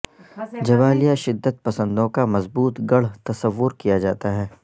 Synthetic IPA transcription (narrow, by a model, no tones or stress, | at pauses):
d͡ʒɐʋaːlijaʃɪd̪ːət̪̚pɐsə̃nd̪õkamɐzbuːt̪ɡɐɽ̤t̪ɐsəʋːʊɾkijad͡ʒaːt̪aɦɛː